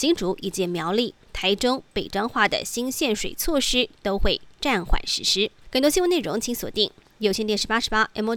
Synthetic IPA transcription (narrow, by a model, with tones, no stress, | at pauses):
t͡ɕi˧˥ŋʈ͡ʂu˧˥ʔi˨˩t͡ɕɛ˧˥˩mjɑ˧˥ʊli˥˩ | t̪ʰa˧˥ɪʈ͡ʂʊ˥ŋpe˨˩ɪʈ͡ʂɑ˥ŋxwa˥˩d̪ə̰˨ɕi˥nɕjɛ˥˩nʂwe˨˩ɪt͡sʰwɔ˥˩ʂɻ̩˥t̪o˥ʊxwe˥˧ɪʈ͡ʂa˥˩nxwa̰˨˩nʂɻ̩˧˥ʂɻ̩˥xə˨˩nt̪wɔ˥ɕi˥wne˥˩ɻʊ̰˧˥ŋt͡ɕʰi˧˥ŋswɔ̰˨˩t̪i˥˩ŋ | jo˨˩ʊɕjɛ˥˧nt̪jɛ˥˩nʂɻ̩˧˥pa˥ʂɻ̩˧˥pa˥ʔɛ˧˥mo˧